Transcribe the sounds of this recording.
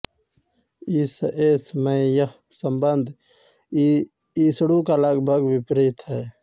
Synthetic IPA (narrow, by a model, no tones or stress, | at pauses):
isʔeːsmẽjəh | səmbənd̪ʱ | iːsɽukaləɡbʱəɡwɪpɾiːt̪ɦɛː